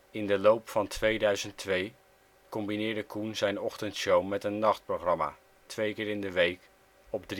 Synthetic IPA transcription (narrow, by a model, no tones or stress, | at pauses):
ɪndəlowpfɑntʰʋejdœɥzəntʋej | kɔmbinɪːɹdəkʰunzɛjnɔχtəntʃowmɛtənːɑχt̚proχrɑma̰ | tʋejkɪːɾɪndəʋejk | ɔbdr